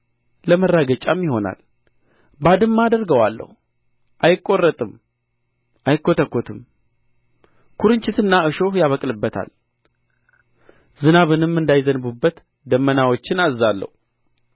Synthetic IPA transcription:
ləmərːaɡət͡ʃʼamjɪho̞na̰l | bad̪ɨmːad̪əɾɡəwalːə̰hu | ʔajɪkʼːo̞rːət̪ʼɨm | ʔajɪkːo̞t̪ʰəkːo̞t̪ʰɨm | kʰuɾɨnt͡ʃʼɪt̪ɨnːaɨʃo̞jaβəkʼlɨbːət̪ʰa̰l | zɨnaβɨnɨmːɨnd̪ajzənβubːət̪ | d̪əmːənawo̞t͡ʃːɪnazːalːə̰hu

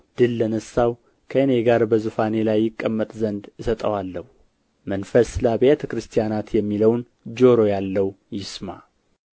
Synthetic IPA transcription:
d̪̥ɨlːənəsːaw | kʰəɨne̞hɡaɾbəzufane̞lajːɪkʼːəmːət̪ʼzənd̪ɨsət̪ʼəwalːəhu | mənfəslabəjet̪ʰəkɾɨst̪ʰijanat̪jɛmːiləwn | d͡ʒo̞ɾo̞jalːəw | jɪsma̰

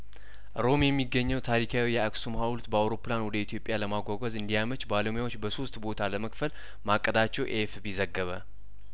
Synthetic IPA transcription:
ɾo̞mjɛmːiɡːəɲːɛwt̪ʰaɾikʰawijɛaksumhawult̪bəawɾo̞pɨlanwɔd̪əit̪ʰjo̞pʼjaləmaɡʷaɡʷəzɨnd̪ijamət͡ʃbaləmujawo̞t͡ʃːbəso̞st̪ʼbo̞t̪ʰaləməkfəl | makʼːəd̪at͡ʃːɛwʔefbizəɡːəβə̰

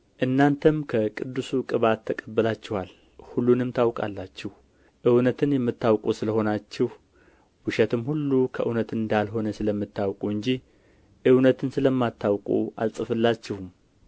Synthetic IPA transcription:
ʔɨnːant̪ʰəmkʰəkʼɨd̪ːɨsukʼɨβat̪ʰːəkʼəbːəlat͡ʃːɛhal | hulːunɨmt̪ʰawkʼa̰lːat͡ʃːɛh | ʔɨwnət̪ʰɨnjɛmːɨt̪ːawkʼusɨləho̞nat͡ʃːɛh | wɨʃɛt̪ɨmhulːukʰəʔɨwnət̪ɨnd̪alɦo̞nəsɨləmːɨt̪ʰːawkʼuɨɲd͡ʒi | ʔɨwnət̪ʰɨnsɨləmːat̪ːawkʼṵa̰lsʼɨfɨlːat͡ʃːɛwm

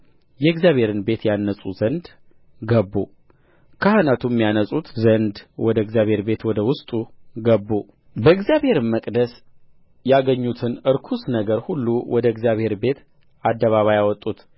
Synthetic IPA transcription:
jɛɨɡzjaβhe̞ɾɨnbe̞t̪janːəsʼuzənd̪ | ɡəbːu | kʰahənat̪ʰumːijanəsʼut̪zənd̪wɔd̪əɨɡzjaβhe̞ɾbe̞t̪wɔd̪əwʊst̪ʼuɡəbːu | bəɨɡzjaβhe̞ɾɨmːəkʼd̪əs | jaɡəɲːut̪ʰɨnɨɾkʰusnəɡəɾhulːuwɔd̪əɨɡzjaβhe̞ɾbe̞t̪ | ad̪ːəβaβajawɔt̪ʼːut̪

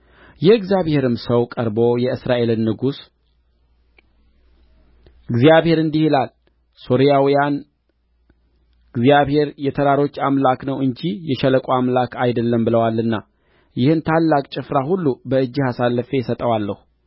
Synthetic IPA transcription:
jɛɨɡzjaβhe̞ɾɨmsəwkʼəɾbo̞jɛɨsɾaʔe̞lɨnːɨɡus | ɡzijaβhe̞ɾɨnd̪ihilal | so̞ɾijawijan | ɡzijaβhe̞ɾjɛt̪ʰəɾaɾo̞t͡ʃːamlaknəwɨɲd͡ʒijɛʃɛləkʼoamlakʰajd̪əlːəmbɨləwalːɨnːa | jɪhɨnt̪ʰalːakʼt͡ʃʼɪfɾahulːubəɨd͡ʒːihasalːəfe̞sət̪ʼəwalːəhu

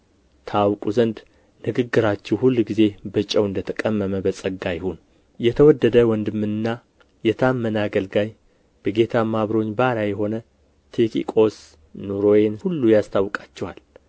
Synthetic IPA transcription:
t̪ʰəawkʼuzənd̪ | nɨɡɨɡːɨɾat͡ʃːɛwhulːɡize̞bət͡ʃʼɛəwɨnd̪ət̪ʰəkʼəmːəməbəsʼəɡajɪhun | jɛt̪ʰəwɔd̪ːəd̪əwɔnd̪ɨmːɨnɨnːa | jɛt̪ʰamːənaɡəlɡaj | b̥əɡe̞t̪ʰamːaβɾo̞ɲːbaɾajɛɦo̞nə | t̪ʰekḭkʼo̞s | nuɾojenhulːujast̪ʰawːkʼat͡ʃːɛhal

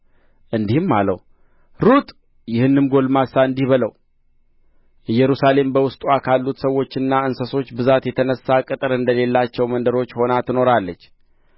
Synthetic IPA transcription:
ʔɨnd̪ihɨmːalə̰w | ɾut̪ʼ | jɪhɨnːɨmɡo̞lmasaɨnd̪ihβələw | jɛɾusale̞mbəwʊst̪ʼuakʰalːut̪səwo̞t͡ʃːɨnːaɨnsəso̞t͡ʃːbɨzat̪jɛt̪ʰənəsːakʼɨt̪ʼɨɾɨnd̪əle̞lːat͡ʃːɛwmənd̪əɾo̞t͡ʃːho̞nat̪ʰɨno̞ɾalːət͡ʃː

